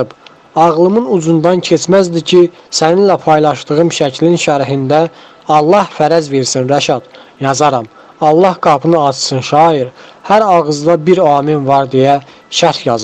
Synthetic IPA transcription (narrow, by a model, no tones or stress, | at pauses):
ɯb | ɑʁlˠɯmɯnud͡ʒund̪ɑncʰet͡ʃʰmæzd̪icʰi | sæninlæpʰɑjlˠɑʃt̪ɯɣɯmʃæcʰlinʃæɾɦind̪æ | ɑlˠːɑhfæɾæzveɾsinɾæʃɑd̪̥jɑzɑɾɑm | ɑlˠːɑhɡɑpʰɯnɯɑt͡ʃsɯnʃɑːiɾhæɾɑɣɯzd̪ɑbiɾɑːminvɑɾd̪ejæ | ʃæɾhjɑzɯ